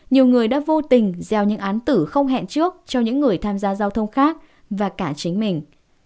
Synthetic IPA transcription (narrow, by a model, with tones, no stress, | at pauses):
ɲi˨˩əwŋɨ˨˩əjɗa̰ː˧˥vo˧t̪ï˨˩ŋ̟zɛ˨˩wɲɨ̰˧˥ŋʔaː˨˦nt̪ɨ˧˩xə˧wŋ͡mɦɛ̰˧˨nt͡ɕɨ˦˥ək̚t͡ɕɔ˧ɲɨ̰˧˥ŋːɨ˨˩əjt̪ʰaː˧mzaː˧zaː˧wt̪ʰə˧wŋ͡mxaː˦˥k̚ | vaː˨˩kaː˧˩t͡ɕï˨˦ŋ̟mï˨˩ŋ̟